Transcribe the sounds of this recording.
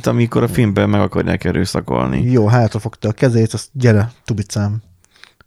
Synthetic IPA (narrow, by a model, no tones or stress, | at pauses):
t̪ɒmiko̞ɾɒfilmbɛmmɛɡɒkɒrja̰ːkɛɾøːsɒko̞̰lnḭjoːɦaːt̪rɒfo̞kt̪ɒːkɛzɛeːt̪ɒsɟɛɾɛt̪ubit̪saːm